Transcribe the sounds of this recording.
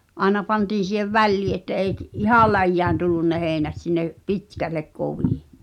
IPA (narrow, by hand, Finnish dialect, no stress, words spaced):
ɑˑenɑ pɑntiːn̞ siˑheʋ ʋælːiː etːæ eik ihɑˑl̆ læjːæːn tulːun ne heːĭnæt sinːe pitkælːek koʋiˑ